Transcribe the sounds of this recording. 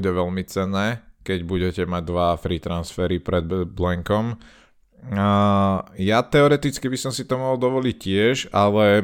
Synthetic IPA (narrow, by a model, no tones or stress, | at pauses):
ɟɛʋɛlmit͡sɛnːɛːkɛɟbuɟɛcɛmaɟ̚d̪ʋaːfɾit̪ɾansfɛɾipɾɛd̪blɛŋkɔm | jat̪ɛɔɾɛt̪it͡skibisɔmsit̪ɔmɔɦɔlˠd̪ɔʋɔlic̚cɪɛʒalɛ